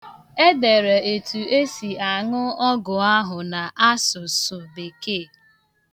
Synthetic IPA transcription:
e˦de˨ɾe˨e˨tu˨e˦si˨a˨ŋʊ˦ɔ˦ɡʊ˨a˦ɦʊ˨na˨ʔa˦sʊ˨sʊ˨be˨ke˦˨

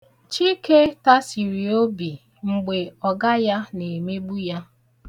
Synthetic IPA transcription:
t͡ʃi˦ke˦ta˦si˨ɾi˨o˦bi˨ | ŋ͡m̩˨ɡ͡be˨ɔ˨ɡa˦ja˦ne˨me˦ɡ͡bu˦ja˦

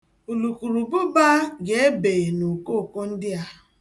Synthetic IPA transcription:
u˨lu˨ku˨ɾu˨bʊ˦ba˦ɡe˨e˦be˨no˨ko˦˨ko˦n̩˦dɪ˦a˦

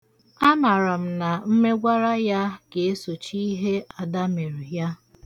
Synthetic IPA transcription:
a˦ma˨ɾa˨m̩˨na˨m̩˦me˦ɡʷa˦ɾa˦ja˦ke˨e˦so˨t͡ʃi˦ɦe˦a˨da˦me˨ɾi˨ja˦

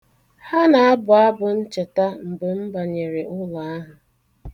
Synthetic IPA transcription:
ha˦na˨a˦bʊ˨a˦bʊ˨n̩˦t͡ʃe˨ta˦m̩˨be˨m̩˦ba˨ɲe˨ɾe˨ʊ˦la˨a˦ɦʊ˨

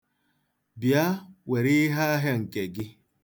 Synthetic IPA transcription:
bja˦we˨ɾɪ˦ɦa˦ɦe˦ŋ̩˨ke˨ɡɪ˦

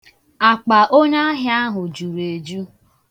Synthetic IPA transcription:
a˨k͡pa˨ʔo˦na˦ɦja˦ɦʊ˨d͡ʒu˨ɾe˨d͡ʒu˦

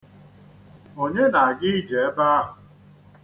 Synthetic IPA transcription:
o˨ɲe˦na˨a˨ɡɪ˦i˦d͡ʒe˨e˦ba˦ɦʊ˨

